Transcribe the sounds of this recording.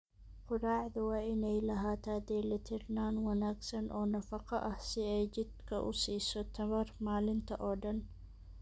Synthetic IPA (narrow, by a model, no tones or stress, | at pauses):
qʊɾɑːʕðʊwɑːɪnɛjlɐɦaːt̪ʰaːd̪ɛːlɐt̪ʰɪrnaːnwɐnaːɡsɐnʔɔːnɐfɐqɐʔɐhsɪɛjd͡ʒɪd̪kʰɐʔʊ̰siːsɔt̪ʰɐβɐrmaːlɪnt̪ʰɐʔɔːɖɐn